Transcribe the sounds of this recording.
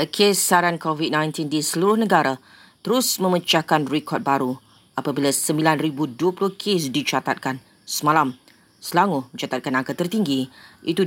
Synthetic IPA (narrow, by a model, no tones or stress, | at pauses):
əkʰesːaɾankovit̪̚nãjnt̪indisəluɾʊhnə̃ɡaɾa | t̪əɾʊsmə̃mət͡ʃakanrɛkʰɔt̪̚baɾu | apabilasəmbilanribuduəpulʊhkʰesdit͡ʃat̪at̪̚kan | səmãlam | səlaŋʊhmə̃ɲt͡ʃat̪at̪̚kanakət̪ərt̪iŋɡiit̪u